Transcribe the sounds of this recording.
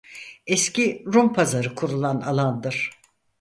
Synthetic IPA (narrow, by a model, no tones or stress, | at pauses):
ɛsciɾumpʰazaɾɯkʰuɾulˠana̰lˠand̪ɯɾ̥